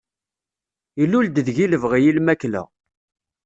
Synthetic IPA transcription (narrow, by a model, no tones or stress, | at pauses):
ilːuld̪əðʝiləvʁjilmæklə̰